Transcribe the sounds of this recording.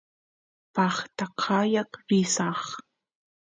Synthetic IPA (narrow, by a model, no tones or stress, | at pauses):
pɑχt̪aqʰɑjɑqɾɪsɑχ